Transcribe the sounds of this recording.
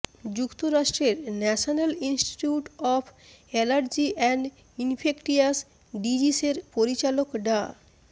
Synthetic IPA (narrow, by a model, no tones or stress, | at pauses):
d͡ʑukt̪oɾaʃʈɾeɾnɛʃonalinsʈi̥ʈuʈɔpʰɛlaɾd͡ʑiʔɛɳɖ | infʰekʈias | ɖid͡ʑiseɾpoɾit͡ɕalokɖa